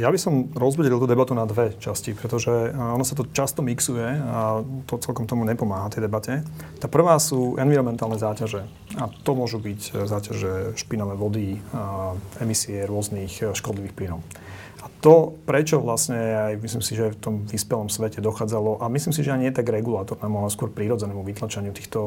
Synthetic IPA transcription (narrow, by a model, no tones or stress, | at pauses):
jabisɔmɾɔzbuɟɛlilˠt̪uːd̪ɛbat̪unad̪ʋɛt͡ʃascipɾɛt̪ɔʒɛɔnɔsat̪ɔt͡ʃast̪ɔmiksujɛat̪ɔt͡sɛlkɔmt̪ɔmuɲɛpɔmaːɦat̪ɛjd̪ɛbacɛt̪aːpr̩ʋaːsuːʔɛnʋiɾɔmɛnt̪aːlnɛzaːcaʒɛ | at̪ɔmʊɔʒubiczaːcaʒɛʃpinɔʋɛʋɔd̪i | ɛmisiɛɾʊɔznixʃkɔd̪liʋiːxplinɔʊ | at̪ɔpɾɛt͡ʃɔʋlasɲɛajmislimsiʒɛft̪ɔmʋispɛlɔmsʋɛcɛd̪ɔxaːd͡zalɔʔamisliːms̬iʒɛaɲɪɛjɛt̪aɡɾɛɡulaːt̪ɔɾnɛːmualɛskʊɔɾpɾiɾɔd͡zɛnɛːmuʋit̪lat͡ʃaɲɪut̪iːxt̪ɔ